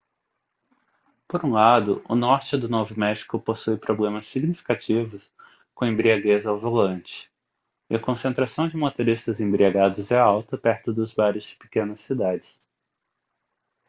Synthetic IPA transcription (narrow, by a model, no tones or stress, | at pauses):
poɾũlad̪ʊ̰ʔʊ̰nɔɾt͡ʃɪd̪ʊnovʊmɛʃi̥kʊposujpɾoblẽmɐsːiɡnifi̥kat͡ʃivʊs | kõẽbɾiaɡezawvolɐ̃nt͡ʃɪ̥ | ɪɐkõsẽnt̪ɾasɐ̃w̃d͡ʒɪmot̪oɾist̪ɐzẽbɾiaɡad̪ʊzɛawt̪ɐpɛɾt̪ʊd̪ʊzbaɾɪzd͡ʒɪ̥pɪ̥kẽnɐsːid̪ad͡ʒɪs